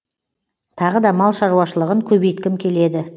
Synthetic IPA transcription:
t̪ʰɑʁəd̪ɑmɑlˠʃɑɾuɑʃəlˠəʁəŋkʲʰɵbejt̪kʲɪmkʲʰe̞le̞d̪ɪ

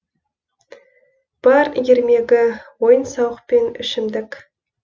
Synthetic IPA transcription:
b̥ɑɾjeɾme̞ɡʲɪwo̞jənsɑwəqpe̞nʏ̰ʃɪmd̪ɪk

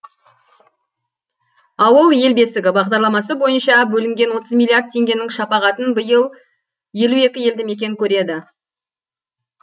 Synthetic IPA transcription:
ɑwəlˠje̞lbe̞sɪɡʲɪbɑʁd̪ɑɾlˠɑmɑsəbo̞jənʃɑbɵlɪŋɡʲe̞nwo̞t̪əzmʲilʲiard̪̚t̪ʰːe̞ŋɡʲe̞nɪŋʃɑpɑʁɑt̪ənbəjəlˠ | je̞lue̞kʲɪje̞ld̪ɪme̞kʲe̞ɪkʲʰɵɾe̞d̪ɪ

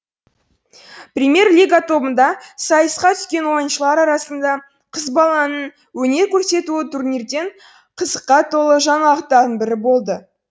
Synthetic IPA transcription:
prʲimʲje̞rlʲijɡat̪ʰo̞bənd̪ɑsɑjəsqɑt̪ʰʏ̥skʲe̞nwo̞jənʃəlˠɑɾɑɾɑsənd̪ɑ | qʰəzbɑlˠɑnən | wɵne̞ɾkʲʰɵɾse̞t̪uɪt̪ʰuɾniɾd̪e̞ɴ | qʰəzəqːɑt̪ʰo̞lˠəʒɑnɑʁət̪ːɑɾənbɪɾɪbo̞lˠd̪ə

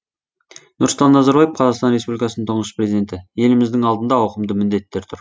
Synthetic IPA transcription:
nʊɾsˠt̪ɑnːɑzɑɾbɑjep̚qʰɑzɑʁqst̪ɑnɾespublikɑsənənt̪ʰʊɴəsprʲezid̪ʲe̞nt̪ɪje̞lɪmɪzd̪ɪŋɑlˠd̪ənd̪ɑɑwqəmd̪əmɪnd̪e̞t̪ːe̞ɾt̪ʰʊɾ

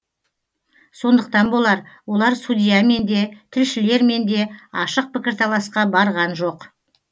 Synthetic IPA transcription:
so̞nd̪əqt̪ɑnbo̞lˠɑɾwo̞lˠɑɾsud̪ʲijɑme̞nd̪e̞t̪ʰɪlʃɪle̞ɾme̞nd̪e̞ɑʃəq̚pɪkʲɪɾt̪ʰɑlˠɑsqɑbɑɾʁɑnʒo̞q

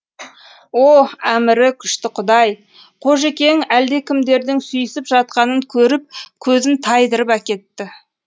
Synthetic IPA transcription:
oæmɪɾɪkʲʰʏʃt̪ɪqʰʊd̪ɑj | qʰo̞ʒe̞kʲe̞ŋæld̪e̞kʲʰɪmd̪e̞ɾd̪ɪŋsʏjɪsɪpʒɑt̪̚qɑnəŋkʲʰɵɾɪp̚kʲʰɵzɪnt̪ʰɑjd̪əɾəpækʲe̞t̪ːɪ

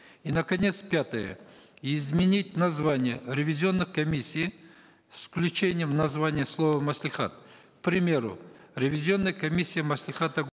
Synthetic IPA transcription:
inəkɐnʲe̞t̪spʲat̪əjə̰ɪzmʲɪnʲit̚ʲnɐzvanʲɪjəɾʲɪvʲɪzʲɪo̞nːɨxkɐmʲisʲːij | sfklʲʉt͡ɕenʲɪjəmnɐzvanʲɪjəslˠo̞vəmɐsʲlʲɪχa̰t̪̚k̚pɾʲɪmʲe̞ɾʊ̰ɾʲɪvʲɪzʲo̞nːəjkɐmʲisʲːijəmɐsʲlʲɪχat̪ə

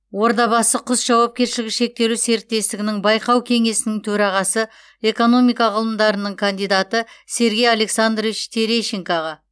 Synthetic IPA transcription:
wo̞ɾd̪ɑbɑsəqʰʊsʒɑwɑp̚kʲe̞ɾʃɪlɪɡʲɪʃe̞k̚t̪e̞luse̞ɾɪt̪ːe̞st̪ɪɡʲɪnɪŋbɑjqɑwkʲʰe̞ŋe̞sɪnɪŋt̪ʰɵɾɑʁɑsə | e̞ko̞no̞mijkɑʁəlˠəmd̪ɑɾənəɴkʰand̪ijd̪at̪əse̞ɾɡʲe̞jale̞ksand̪rvit͡ʃt̪ʰeɾeʃeŋkaʁɑ

